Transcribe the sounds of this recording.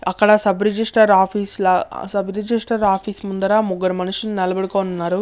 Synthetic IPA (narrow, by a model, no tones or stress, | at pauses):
ɐkːɐɽɐsɐbɾed͡ʒisʈɐɾaːpʰiːslɐsɐbɾed͡ʒisʈɐɾaːpʰiːsmund̪ɐɾaːmuɡɐɾɐmɐnuʂininɛlɐbɐɽikoːnunːaːɾu